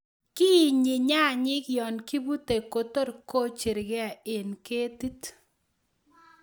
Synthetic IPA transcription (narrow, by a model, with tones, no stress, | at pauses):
ki˦˨ɲi˨ɲa˦˨ɲɪ˦kjɔ˨nki˦bu˦te˨ko˨to˦ɾko˦t͡ʃe˨ɾɡɛ˦a˨e˨nke˦ti˦t